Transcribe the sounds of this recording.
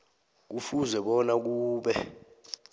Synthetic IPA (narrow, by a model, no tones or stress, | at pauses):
k̬ufuzɛɓɔnak̬uːɓɛ̰